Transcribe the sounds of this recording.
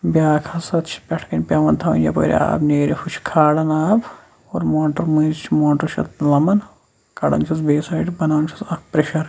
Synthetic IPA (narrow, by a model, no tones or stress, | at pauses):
bjaːkʰɐsɐt̪t͡ʃʰi̥pʲɐʈʰkɐnʲpʲjɐʋɐnt̪ʰɐʋɐ̰njɐ̰po̰ːɾḛa̰ːbneːɾefʰut͡ʃʰkʰaːɽɐnaːb | oːɾmoːɳʈɐɾmɐːɾt͡ʃʰmoːɳʈɐɾt͡ʃʰɐ̰t̪lɐmɐn | kɐɽɐ̰nt͡ʃʰɐsbeːsɐːʈbɐnaːnt͡ʃʰi̥sɐkpɾeʃɐɾ